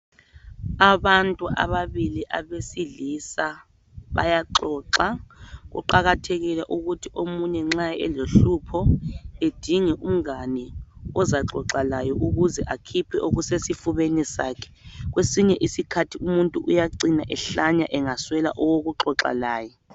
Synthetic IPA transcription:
aβantʼuʔa̰βaβiliʔa̰βesiɮisa | βa̰jaǃɔːǁaɣṵǃaɣatʰeɣilɛʔuɣutʰiomuɲɛŋ͡ǁaɛloɬupʰɔed̥ʱiŋɛʔum̩ɣanɛɔzaǁɔ̰ǁalajɔʔuɣuzɛʔakʰipʰɛʔoɣusesifuβenisa̰ːkʰɛ̥ɣwesiɲɛʔisikʰatʰiumuntʼuʔujaǀinaʔɛɬaɲaʔɛŋaswɛla̰ʔɔwoɣuǁɔǁa̰laːjɔ

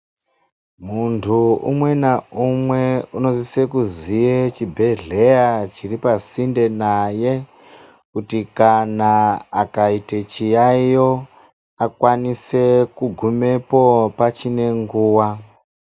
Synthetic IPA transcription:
muntʰuṵmwe̞naumweuno̞zise̞kuzijet͡ʃibʱe̞ɮe̞jat͡ʃiripasinde̞naje̞ | kutikanaakaitet͡ʃijaijo | akwanise̞kuɡʱume̞po̞pat͡ʃine̞ŋɡuːwa

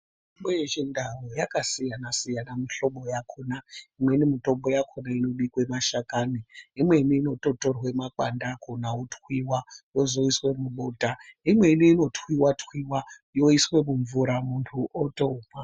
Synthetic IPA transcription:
m | imɓojet͡ʃindʱawojakasijanasijanamiɬo̞ɓo̞jakʰonaimwe̞nimitombo̞jakʰonaino̞ɗikwe̞maʃakaniimwe̞niːno̞to̞torwe̞maǃandakʰonaotʰxwiwajo̞zo̞iswe̞muɓoːtaimwe̞iniːno̞tʰwiwatwiwa | jo̞iswe̞muɱvuɾamuntʰuʔotoma

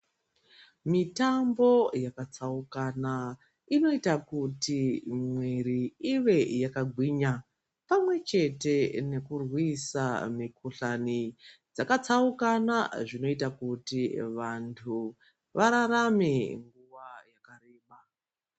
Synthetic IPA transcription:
mitambo̞jakat͡saukana | ino̞itakutimwiɾiiʋe̞jakaɡʱwiːɲa | pamwe̞t͡ʃe̞te̞ne̞kurwisa̰mikuɬanid͡zakat͡saukanaʐino̞itakutiʋantʰu | ʋaɾaɾameŋɡuʋajakareːɓa

